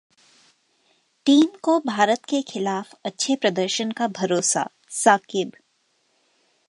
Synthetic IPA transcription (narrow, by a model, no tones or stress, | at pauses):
ʈiːmkobʱaːɾət̪kexɪlaːfɐtːʃʰepɾɐd̪əɾʃənkabʱɐɾoːsa̰ | saːkɪb